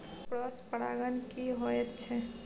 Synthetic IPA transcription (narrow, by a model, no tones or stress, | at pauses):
pɾɔspəɽa̰ɡənkiɦoɛt̪t͡ʃʰɛ